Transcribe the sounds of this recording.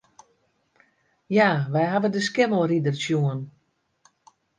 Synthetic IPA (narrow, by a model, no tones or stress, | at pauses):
jaʋɛjɦavədəskɪmoridərsjuən